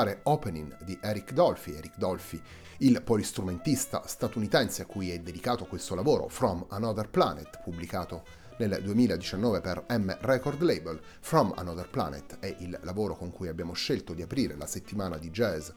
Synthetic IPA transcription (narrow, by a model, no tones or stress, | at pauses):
aːɾeɔpeniŋd̪iʔɛɾikd̪ɔlfiɛːɾikd̪ɔlfi | ilpolist̪ɾument̪ist̪a̰st̪at̪unit̪ɛnseakːujɛd̪ːed̪ikaːt̪okwest̪olavoːɾo̰fɾɔmanɔd̪erplanet̪publikaːt̪o | neld̪uemiːlaed̪it͡ʃanːɔːveperɛmrɛkord̪lejbel | fɾɔma̰nɔd̪erpla̰nḛt̪ɛʔillːavoːɾokoŋkujabːjaːmoʃːelt̪od̪iapɾiːɾḛlaset̪ːimaːnad̪id͡ʒɛz